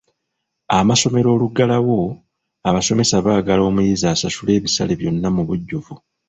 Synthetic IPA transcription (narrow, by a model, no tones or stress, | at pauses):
amaso̞me̞ɾo̞ːluɡalawo̞ | aβaso̞me̞saβaːɡalo̞ːmujizaːsasule̞ːβisale̞βjo̞nːamuβuɟːuvu